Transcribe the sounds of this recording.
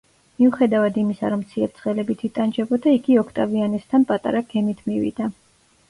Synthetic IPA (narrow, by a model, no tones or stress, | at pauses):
miuχɛd̪avad̪imisa̰ɾɔmt̪sʰiɛp̚t̪sʰʼχɛlɛbit̪ʰit̪ʼand͡ʒɛbɔd̪aiɡiɔkʰt̪ʼavianɛst̪ʰanpʼat̪ʼa̰ɾaɡʰɛmit̪ʰmivḭd̪̥a